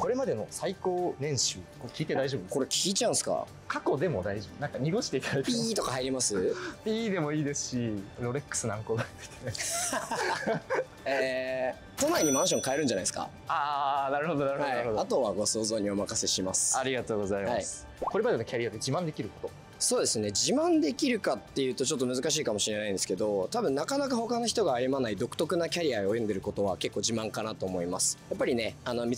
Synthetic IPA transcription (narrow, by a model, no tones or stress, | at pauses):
ko̞ɾe̞mad̪e̞no̞saiko̞ːnẽ̞ɰ̃ɕɨːkokʲiːt̪ed̪aiʑobɯnko̞ɾekʲʰiːt͡ɕãɯ̃sɨ̥ka̰ | kʰako̞d̪e̞mo̞d̪aiʑibɯ̟nãŋkaɲ̟iɡo̞ɕi̥t̪e̞it̪anait̪pʲit̪o̞kahaiɾʲimasɨpʲiːd̪e̞mo̞iːd̪e̞sɨ̥ɕiɾo̞ɾe̞kːɯ̥sɨnamɯko̞ːɡat̪t̪ʰe | e | t̪o̞naiɲ̟imãɰ̃ɕ̬õŋkaeɾɯ̟n̟d͡ʑanaisɨ̥ka̰ | aːnaɾɯ̟ho̞d̪o̞naɾɯ̟haɾɯhod̪at̪o̞βaɡo̞so̞ːzo̞ːɲ̟iomakase̞ɕimasɨ̥aɾʲiɡat̪o̞ːɡo̞zaimhais | koɾe̞bad̪eno̞kʲaɾiad̪ed͡ʑimãnd̪e̞kʲiɾɯ̟ko̞̥t̪o̞ | so̞ːd̪e̞sɨne̞d͡ʑimãnd̪e̞kʲiɾɯ̟kat̪ːe̞jɯ̟ːt̪ot͡ɕo̞t̪ːo̞mɯ̟zɨkaɕ̬iːkamo̞ɕiɾe̞naĩnd̪sɨ̥ke̞d̪o̞t̪abɯ̟̃nːakanakaho̞kanoçi̥t̪o̞ɡaːjɯmanaid̪o̞kɯ̟t̪o̞kɯ̟nakʲaɾʲiaeojond̪e̞ɾɯ̟ko̞t̪o̞βake̞kːo̞ːd͡ʑimãŋkanat̪o̞ːmo̞imasɨ̥japːaɾʲine̞ano̞mʲi